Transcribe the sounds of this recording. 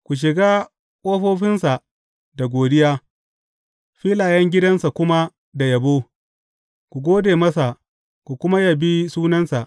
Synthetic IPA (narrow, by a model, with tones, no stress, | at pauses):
kʷu˨ʃ̬ɪ˨ɡaː˦ | kʼoː˦ɸoː˦ɸɪ˦nsa˨ʔ | da˨ɡʷoː˨dɪ˦jaː˦ | ɸiː˦laː˨jɐ˦ŋɡʲɪ˦dɐ˦nsa˨kʷʊ˦ma˦ | da˨jɐ˨boː˦ | kʷu˨ɡʷoː˦deː˨mɐ˦sa˨ʔ | kʷu˨kʷʊ˦ma˦ja˨bi˦suː˦nɐ˦nsa˨ʔ